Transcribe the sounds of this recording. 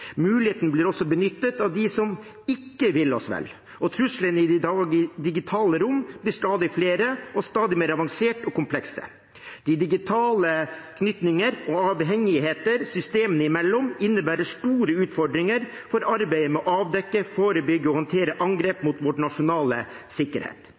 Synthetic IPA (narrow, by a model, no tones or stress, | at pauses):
mʉːlɪheːt̪nəbliːɾɔsːɔbənʏt̪ːət̪ɑʋd̪ɪsɔm | ɪkːəʋɪlɔ̰sʋɛ̰lː | ʔɔt̪ʰɾʉslənɪ | d̪ɪɡɪt̪ʰɑːləɾʊmːblɪʂt̪ɑːd̪ɪfleːɾəɔst̪ɑːd̪ɪmeːɾɑʋɑŋseːʈɔkʊmpʰlɛksə̰ | d̪̥ɪd̪ɪɡɪt̪ʰɑːləkʰnʏt̪nɪŋəɾɔɑːʋɦɛŋːɪheːt̪əɾsʏst̪eːmənəɪmɛlːɔmɪnːəbæːɾəʂʈuːɾəʉːt̪fɔɖɾɪŋəɾ | fɔɾɑɾbæɪəmɛɔʔɑːʋd̪ɛkːəfoːɾəbʏɡːəɔhɑnt̪ʰeːɾəʔɑŋɡɾeːpmʊt̪ʋɔʈɳɑʂʊnɑːlə̰sɪkːə̰ɾhḛːt̪